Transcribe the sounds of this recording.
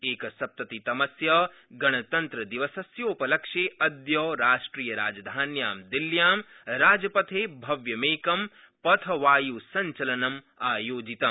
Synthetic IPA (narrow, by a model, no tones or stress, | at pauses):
eːkɐsɐp̚t̪ɐt̪it̪ɐmɐsjɐ | ɡɐɽ̃ɐt̪ɐnt̪ɾɐd̪iʋɐsɐsjoːpɐlɐkʃeːʔɐd̪joːɾaːʃʈɾiːjɐɾaːd͡ʒɐd̪ʱaːnjaːmd̪iljaːm | ɾaːd͡ʒɐpɐt̪ʰeːbʱɐʋjɐmeːkɐm | pɐt̪ʰɐʋaːjuːsɐɲt͡ʃɐlɐnɐm | aːjoːd͡ʒit̪ɐm